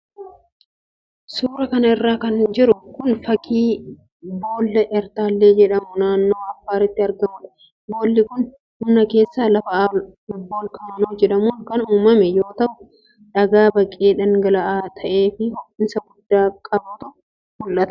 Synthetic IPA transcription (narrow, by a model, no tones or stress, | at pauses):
suːɾɐkɐnɐɪrːaːkɐnd͡ʒɪɾʊkʊnfɐkiː | bo̞ːlːɐʔɛɾt̪aːlːe̞ːd͡ʒɛᶑɐmʊnaːnːo̞ːɐfːaːɾɪt̪ːɪɐɾɡɐmʊᶑɐ̥ | boːlːɪkʊn | hʊnːɐke̞ːsːaːlɐfɐɔbːoːlkɐmɐnoːd͡ʒɛᶑɐmuːŋkɐnuːmɐmɛjo̞ːt̪ɐʔʊ | ᶑɐɡaːbɐkʼːe̞ːᶑɐŋɡɐlɐʔaːt̪ʰɐʔe̞ːfɪhʊkːɪnsɐɡʊd̪ːaːkʼɐbɐt̪ʊ | mʊlʔɐt̪ɐ̥